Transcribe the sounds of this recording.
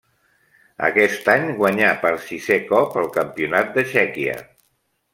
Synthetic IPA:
ə̰kɛst̪aɲɡwəɲapəɾsizekɔpəlˠkəmpiunat̪̚d̪əʃɛkiə̰

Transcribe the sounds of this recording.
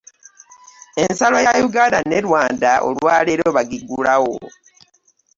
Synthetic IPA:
e̞nsalojajuɡaːnane̞ɾwaːndaʔo̰lwaːleɾo̞βaɡiɡulawo̰

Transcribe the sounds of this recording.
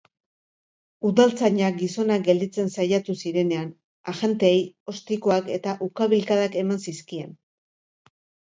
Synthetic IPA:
uðalt͡saɲak̚ɡiso̞nak̚ɡe̞ld̪it͡se̞nsajat̪usiɾe̞ne̞an | aʝe̞nt̪e̞ːjo̞st̪iko̞ake̞t̪aʔukaβilkaðake̞mansiskie̞n

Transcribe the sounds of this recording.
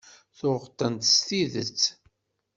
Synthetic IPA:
θʊʁt̪ˤːənt̪st̪iðət͡sː

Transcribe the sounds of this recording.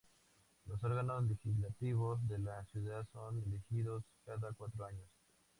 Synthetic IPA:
lo̞so̞ɾɣano̞zle̞xizlat̪iβo̞zðe̞lasjuðaðso̞nilixiðoskaðakwat̪ɾoaɲo̞s

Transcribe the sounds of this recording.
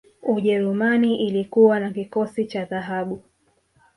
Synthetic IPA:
uʄɛɾumaniʔilikuwanakikɔsit͡ʃaðaɦaɓu

